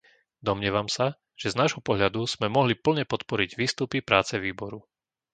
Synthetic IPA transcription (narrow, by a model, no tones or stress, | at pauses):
d̪ɔmɲɪɛʋamsa | ʒ̥ɛznaːʒɦɔpɔɦʎad̪uz̥mɛmɔɦlipl̩ɲɛpɔt̪pɔɾiɟʋiːst̪upipɾaːt͡sɛʋiːbɔɾu